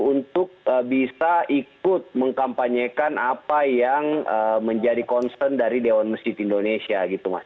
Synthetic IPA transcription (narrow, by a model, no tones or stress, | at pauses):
unt̪ʊk̚əbisaʔik̚ʊt̪̚məŋkampaɲakanapajaŋəməɲd͡ʒadikɔnsəndaɾidewanməsd͡ʒɪt̪indonesiaɡit̪uma̰s